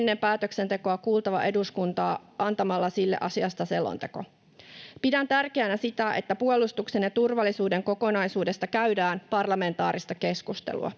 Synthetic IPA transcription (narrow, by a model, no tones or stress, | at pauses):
nːe̞mpæːt̪økse̞nt̪e̞ko̞ɑkuːlt̪ɑʋɑʔe̞duskunt̪ɑːʔɑnt̪ɑmɑlːɑsilːḛʔɑ̰siɑst̪ɑselo̰nt̪e̞̰ko̞̰ | pidænt̪ærkeænæsit̪æʔe̞̰t̪ːæpuolust̪ukse̞njɑt̪urʋɑlːisuːde̞ŋko̞ko̞nɑjsuːde̞st̪ɑkæydæːnpɑrlɑme̞nt̪ɑːɾist̪ɑkeskust̪ḛlṵɑ̰